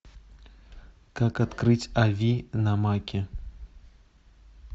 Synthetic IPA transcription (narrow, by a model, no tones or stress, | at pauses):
kakat̪kɾɨt͡sʲavʲinɐmakʲɛ